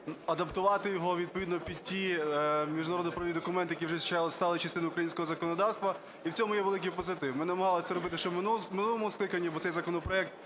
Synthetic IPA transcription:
ɐd̪ɐpt̪ʊʋɑt̪ɪjɔɦɔʋʲid̪̚pɔʋʲid̪nɔpʲid̪̚ʲtʲimʲiʒdnɐɾɔd̪nɔpɾɔʋʲid̪ɔkʊmɛnt̪ɪjɐkiwʐʒɛt͡ʃˠst̪ɑlˠɪt͡ʃɐst̪ɪnʊukɾɐjinʲsʲkɔɦɔzɐkɔnɔd̪ɑwst̪ʋɐ | iwt͡sʲɔmʊjɛʋelˠɪk̬ɪjpɔzɪt̪ɪwmɪnnɐmɐɦɑlˠɔt̪sɛɾɔbɪt̪ɪʃt͡ʃɔmmɪnulˠɔmʊsklˠɪkɐnʲːɐbɔtsɛjzɐkɔnɔpɾɔɛk̚t̪

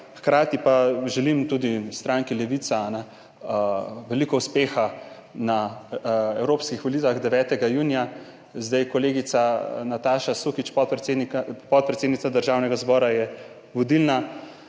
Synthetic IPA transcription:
xkɾaːt̪ipaʒɛlimt̪ud̪ist̪ɾaːŋkilɛʋit̪sanɛ | ʋɛliːkɔuspeːxa | na | ɛwɾoːpskixʋɔlit̪ʋaɣd̪ɛʋɛːt̪ɛɡajuːnija | zd̪ajkɔleːɡit̪sanat̪aːʃasukit͡ʃpɔ | pɔt̪̚pɾɛt̪seːd̪nit̪ad̪əɾʒaːwnɛɡazbɔːɾajɛ | ʋɔd̪ilna

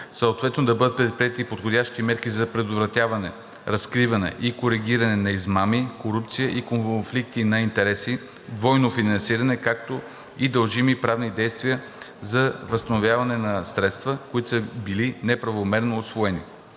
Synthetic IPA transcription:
səot̪vɛt̪nod̪ɐbɤd̪ət̪pɾɛt̪̚pɾʲiɛt̪ipot̪xodʲaʃk̪imɛɾkizɐpɾɛd̪ovɾɐt̪ʲjavɐnɛ̰ | ɾɐskɾivɐnɛ̰ʔikoɾiɡʲiɾɐnɛnɐizmamikoɾup̚t̪sijəʔikonnflik̚t̪inɐint̪ɛɾɛsi | d̪vɔjnofinɐnsiɾɐnɛkak̚t̪o | id̪ɐlˠʒimipɾavnid̪ɛjst̪vijə | zɐvəst̪ɐnovʲjavɐnɛnɐsɾɛt̪st̪vəkoit̪səbilinɛpɾɐvomɛɾnoːsvoɛnḭ

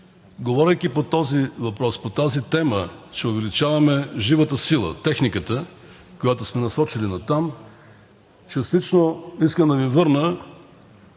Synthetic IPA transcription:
ɡovɔɾʲəjkipot̪ɔzivɐpɾɔspot̪azit̪ɛmət͡ʃɛʊvɛlit͡ʃavɐmɛʒivət̪əsilˠə̰t̪ɛxnikət̪ə | kojat̪osmɛnɐsɔt͡ʃilinɐt̪am | t͡ʃəst̪it͡ʃnoiskəmd̪ɐvivɤɾnə

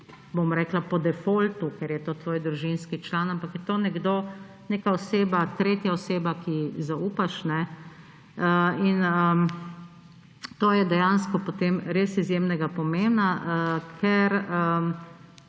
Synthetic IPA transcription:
bomɾɛːklapɔd̪ɛfoːlt̪ukɛɾjɛt̪oːt̪ʋoːjd̪ɾuʒinskit͡ʃlanampakjɛt̪oːnɛɡd̪oː | neːkaɔseːbat̪ɾeːt̪jaɔseːbakizauːpaʃnɛ | inə | t̪oːjɛd̪ɛjanskɔpot̪eːmɾeːsizjemnɛɡapɔmemnakʰɛɾə

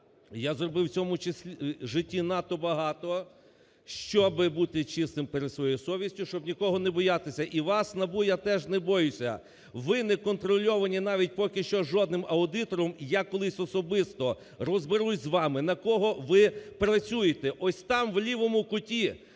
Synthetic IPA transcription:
jazrɔbɪwt͡sʲɔmʊt͡ʃɪsʲʒɪtʲːinɑt̪ɔbɐɦɑt̪ɔ | ʃt͡ʃɔbɪbut̪ɪt͡ʃɪst̪ɪmpeɾed̪sʋɔjɔjʊsɔʋʲisʲtʲʊʃt͡ʃɔbnʲikɔɦɔnɛbɔjɑt̪ɪsʲɐʔiʋɑsnɐbujat̪ɛʒnɛbɔjʊsʲɐ̰ | ʋɪnɛkɔnt̪ɾɔlʲɔʋɐnʲinɑʋʲit̚ʲpɔkʲɪʃt͡ʃɔʒɔd̪̚nɪmɐʊd̪ɪt̪ɔɾɔmjakɔlˠɪsʲɔsɔbɪst̪ɔ | rɔzbɪɾuzʲzʋɑmɪnɐkɔɦɔʋɪpɾɐt͡sʲujet̪ɛʔɔsʲt̪ɑmʋlʲiʋɔmʊkʊtʲi

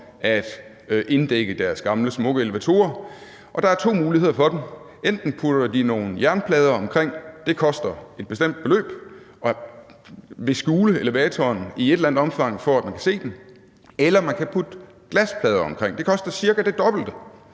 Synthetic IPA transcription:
ʔæd̥ | ʔe̝nd̥eɡ̥əd̥æɐsɡ̥ɑ̈mləsmɔ̽ɡ̥əe̝leʋæt͡sʰo̝̰ːɐ | ʔɒ̽d̥ɑ̈æɐt͡sʰo̝̰ːmuːlihe̝ð̰ˠɐfɒ̽d̥em | en̰d̥n̩pʰud̥ɐd̥ino̝ːn̩jæɐnpʰlɛːð̞ˠɐɒ̽mkʰʁeŋ̰d̥e̝kʰɒ̽sd̥ɐe̝d̥̚b̥e̝sd̥em̰d̥̚b̥e̝lø̰ːb̥ | ɒ̽ | ʋe̝sɡ̥uːləeləʋɛːt͡sʰɒːnie̝d̥lænð̩d̥ɒ̽mfɑ̈ŋ̰fɒ̽æd̥mænkʰæ̥se̝̰ːd̥en | elɐmænkʰæpʰud̥ | ɡ̥læspʰlɛːð̞ˠɐɒ̽mkʰʁeŋ̰d̥e̝kʰɒ̽sd̥ɐsiɐɡ̥æd̥e̝d̥ɒ̽b̥l̩d̥ə

